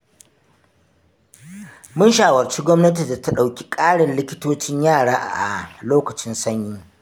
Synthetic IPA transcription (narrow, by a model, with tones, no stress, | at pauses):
mʊ˦nʃaː˨wɐ˨rt͡ʃi˦ɡʷɔ˦mnɐ˦t̬i˨da˨ta˦ɗa˨wkʲi̥˦kʼaː˦ɽɪ˨nlɪ˦kʲɪ̥˦toː˦t͡ʃɪ˦ɲjaː˦˨ɽaː˦ʔa˨ʔa̰˨loː˦kɐ˨t͡ʃɪ˦nsɐ˦ɲjiː˦